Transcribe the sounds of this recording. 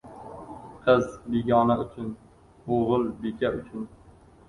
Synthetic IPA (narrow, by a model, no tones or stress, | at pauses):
qʰɨzbiɡʲɒnaʊt͡ʃʰʊn | oʁɨlˠbekʰʲaʊt͡ʃʰʊn